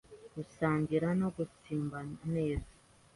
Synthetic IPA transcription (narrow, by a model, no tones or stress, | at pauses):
ɡ̥usaːɲɟiɾano̞ɡusiːmbane̞ːzḁ